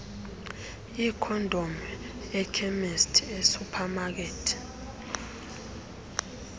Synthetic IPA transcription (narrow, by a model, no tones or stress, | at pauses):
ikʰɔndʱom | ɛkʰɛmɛstʰesupʰamak̬eːtʰi̥